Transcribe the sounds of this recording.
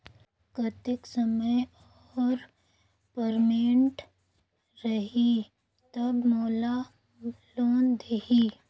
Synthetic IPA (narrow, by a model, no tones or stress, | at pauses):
kɐt̪ɪksɐməj | ɔːɾ | pəɾmeːɳʈ | ɾɐɦi | t̪ɐbmɔːla | loːnd̪eɦi